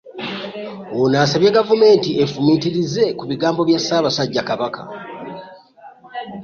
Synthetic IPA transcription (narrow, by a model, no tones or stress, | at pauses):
onaːsaβjeɡavume̞ːntiefumitiɾize̞kuβiɡaːmbo̞βjasːaːβasaɟːakaβakʰa̰